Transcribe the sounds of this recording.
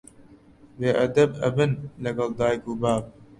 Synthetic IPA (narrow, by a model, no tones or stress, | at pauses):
weːʔɐd̪ɐbɐ̰bɪnlɐɡɐld̪aːjkuːbaːv̚